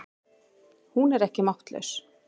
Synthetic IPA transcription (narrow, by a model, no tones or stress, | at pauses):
hunɛɾɛhcɪmaht̪lœ̰ɥs